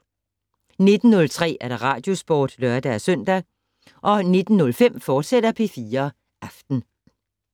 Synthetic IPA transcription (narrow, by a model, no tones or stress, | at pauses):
ne̝d̥n̩ːɔ̽lt͡sʰʁɛ̰ːæɐd̥ɑ̈ʁɑ̰̈ːd̥jo̝sb̥o̰ːd̥lœɐd̥æsœn̰d̥æ | ʔɒ̽ne̝d̥n̩ːɔ̽lfem̰fɒːd̥sed̥ɐpʰe̝fiːɐ | ʔɑfd̥n̩